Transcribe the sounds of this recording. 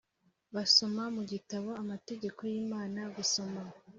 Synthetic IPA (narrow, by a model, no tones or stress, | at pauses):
βaso̞mamuɟitaβo̞amate̞ɟe̞ko̞jiːmaːnaɡuso̞ma